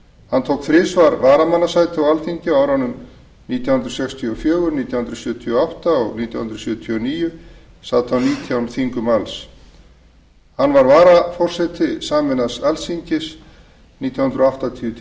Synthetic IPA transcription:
hant̪ʰoːwkθɾɪːsvaɾvaːɾamanːasaːjt̪ɪɔalθiɲcɪawɾanːʏm | niːt̪ʰjahʏnd̪ɾasɛkst̪ʰiɔfjœːɣʏɾniːt̪jawhʏnɾʏsjʏːt̪ʰiɔaht̪aɔɣniːt̪ʰjawhnɾasjʏːt̪ʰiɔniːjʏ | saːt̪ʰawniːt̪ʰjawnθiŋkʏmals | hanːvaɾvaːɾafɔr̥sɛt̪ʰɪsaːmɛnasalsiɲcɪs | niːt̪jawhʏnd̪ɾɔaht̪at̪ʰiːʏt̪ʰ

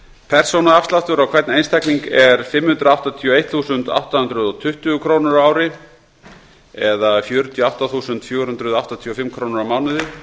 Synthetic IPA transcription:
pʰɛr̥sownaafst̪laft̪ʏɾawkʰvɛɾt̪nejnst̪ʰɛjkniŋkɛɾ̥fɪmːhʏnt̪ɾʏawht̪at̪ʰiɔejt̪θuːsʏnt̪a̰wht̪ahʏnt̪ɾʏðɔt̪ʰʏht̪ʏɣʏkʰɾownʏɾaːwɾɪ | ɛðafjœːɾʏt̪ʰiɔawht̪aθuːsʏnt̪fjoːwɾhʏnt̪ɾʏðawht̪at̪ʰiɔfɪmkʰɾownɪɾawmaːwnʏðɪ

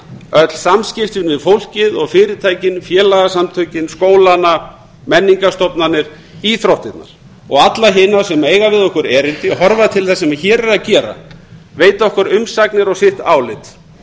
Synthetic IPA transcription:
œt̪l̥samscɪft̪ɪnvɪðfowl̥cɪðɔɣfɪːɾɪt̪ʰaːjcɪnfjɛːlaɣasamt̪ʰœɥcɪnskoːwlana | mɛnːiŋkast̪ɔpnanːɪɾ̥ | iθɾowht̪ɪt̪na̰ɾ̥ | ɔɣat̪laɦɪnasɛmeːjɣavɪðɔhkʏɾɛːɾɪnt̪ɪɦɔɾvaðt̪ʰɪlθɛsːɛmaçɛːɾɛɾacɛːɾa̰veːjt̪aɔhkʏɾʏmsaknɪɾɔɣsɪht̪aːwlɪt̪

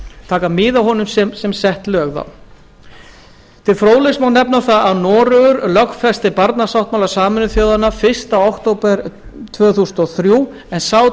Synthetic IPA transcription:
t̪ʰaːkamɪːðawɦɔnʏmsɛsɛmsɛht̪lœːɣða̰w | t̪ʰɪlfɾoːwlɪsmawnɛpnaθaaðnɔːɾʏɣʏɾlœkfɛst̪ɪpaɾt̪nasawht̪̚mawlasaːmʏnʏθjoːwðanafɪ̥st̪aawhkt̪owpɛɾt̪ʰvœːθusʏnɔθɾjuː | ɛnsaːw

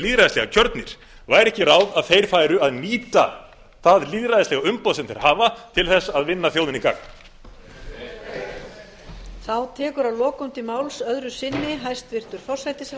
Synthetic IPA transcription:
liːðɾajðɪslɛɣacʰœɾt̪nɪɾ̥ | vaːjɾɛhcɪɾaːwðaðθejɾ̥faːjɾʏaðniːt̪a̰ | θaðliːðɾaðɪslɛɣaʏmpɔːðsɛmθḛɾhaːvat̪ʰɪlθɛsːaðvɪnːaθjoːwðɪnika̰k̚n | θawt̪ʰɛːkʏɾawlɔːkʏmt̪ɪmawlsœðɾʏsɪnːɪɦajst̪vɪr̥t̪ʏɾ̥fɔr̥sajt̪ɪs

